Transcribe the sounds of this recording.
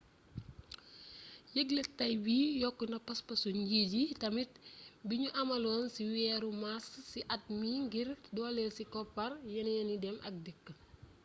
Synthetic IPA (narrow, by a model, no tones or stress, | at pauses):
jəɡlɐtːɐjbijɔkːunɐpɐspɐsuɲɟiːɟitɐmit̚biɲuʔɐmɐlɔːnsiwɛːɾumassiʔɐt̚miŋɡirdɔlɛlsikɔpːɐrjɐnjɐnidɛmʔɐ̰k̚dikː